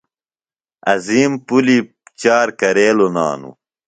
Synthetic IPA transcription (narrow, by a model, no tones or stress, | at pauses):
ɐziːmpuli | t͡ɕaːɾkɐɾeːlona̰ːnṵ